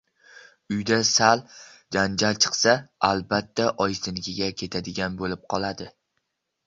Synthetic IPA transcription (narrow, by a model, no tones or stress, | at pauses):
ʊjd̪asald͡ʒand͡ʒalt͡ʃʰɨ̥qsaalˠbat̪ʰːaʔɒjsɪnɪɡʲɪɡʲakʲʰe̞t̪ʰad̪ɪɡʲanbolɪp̚qʰɒlˠad̪ɪ